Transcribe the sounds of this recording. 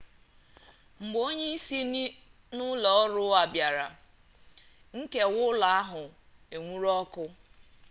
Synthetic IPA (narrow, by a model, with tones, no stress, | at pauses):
ŋ͡m̩˨ɡ͡bo˦ɲe˦i˦si˦ni˦ | nʊ˦lɔ˨ɔ˦ɾʊ˦a˨bja˨ɾa̰˨ | ŋ̩˦ke˨wʊ˦la˨a˦ɦʊ˨ | e˨ŋʷu˦ɾɔ˦kʊ˦